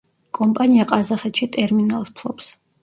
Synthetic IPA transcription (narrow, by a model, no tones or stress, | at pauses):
kʼɔmpʼaniaqʼazaχɛt̪ʃit̪ʼɛɾminalˠspʰlˠɔ̰ps